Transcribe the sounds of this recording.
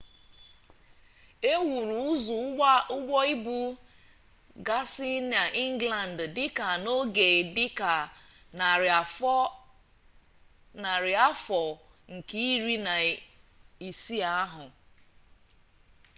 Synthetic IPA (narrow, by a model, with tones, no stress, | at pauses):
e˦wu˨ɾu˨ʊ˦zu˨˦ʊ˦ɡʷɔ˦i˦bu˦ | ɡa˦si˦na˨ʔi˦ŋ˦ɡla˨n̩˨ddɪ˦ka˨no˦ɡe˨dɪ˦ka˨ | na˨ɾɪ˨a˨fɔ˦ | na˨ɾɪ˨a˦fɔ˨ | ŋ̩˨ke˦i˦ɾi˦na˨ | i˨si˦a˦ɦʊ˨